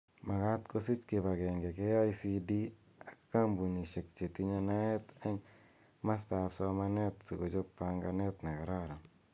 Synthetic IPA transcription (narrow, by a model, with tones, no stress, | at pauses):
ma˨ka˦t̪ko˦si˦t͡ʃkɪ˨ba˨ɡe˨ŋɡe˨ke˦a˦isi˦di˦ | a˨kka˦mbu˨ni˨ʃe˨k̚t͡ʃe˨t̪i˦ɲa˧na˦ɛ˦t̪ɛ˦ŋ | ma˦sta˨psɔ˦ma˦nɛ˦t̪si˨ko˨t͡ʃo˦pːa˨ŋɡa˧nɛ˦t̪ne˨ka˨ɾa˦ɾa˨